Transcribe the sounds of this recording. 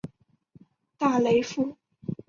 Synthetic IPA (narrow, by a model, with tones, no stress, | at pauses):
t̪a˥˩le˧˥ɪfu˥˩